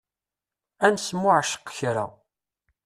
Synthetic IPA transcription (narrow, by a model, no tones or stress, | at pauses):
ænsmːʊʕʃə̥qçɾa̰